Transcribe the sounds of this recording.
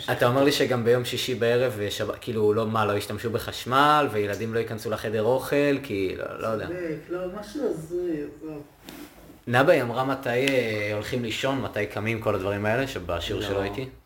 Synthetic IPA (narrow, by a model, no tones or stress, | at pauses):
atao̞meʁliʃe̞ɡambe̞jo̞mʃiʃibae̞ʁeveʃabakiːlulo̞malo̞iʃtamʃubeχaʃmalvejeladimlo̞ikansulaχe̞de̞ʁo̞χe̞lkʰilo̰lʔojod̪ealomaʃuazʁio | nabaiamʁamatajeo̞lχimliʃo̞nmatajkʰamimko̞ladvaʁimae̞le̞ʃebaʃiuʁʃeloait̪i